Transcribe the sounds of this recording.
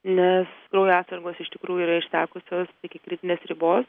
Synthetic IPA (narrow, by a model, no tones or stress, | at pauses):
nʲɛskɾɐʊjoɑːt̪sɐɾɡoːsɪʃt̪ʲɪkɾuːjʊiːɾɐɪʃsʲæːkʊsʲoːst̪ɪkʲɪkɾʲɪt̪ʲɪnʲeːsɾʲɪboːs